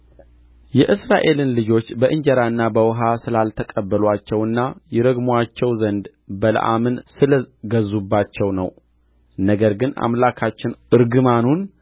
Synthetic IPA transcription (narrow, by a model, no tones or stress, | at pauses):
jɛʔɨsɾaʔe̞lɨnlɨd͡ʒo̞t͡ʃːbəʔɨɲd͡ʒɛɾaɨnːabəwɦasɨlalt̪ʰəkʼəbːəlwat͡ʃːɛwɨnːajɛɾəɡmat͡ʃːɛwzənd̪ | bələ̰ʔa̰mɨnsɨlɡəzːubːat͡ʃːɛwnə̰w | nəɡəɾɡɨna̰mlakʰat͡ʃːɪnʔɨɾɡɨmanun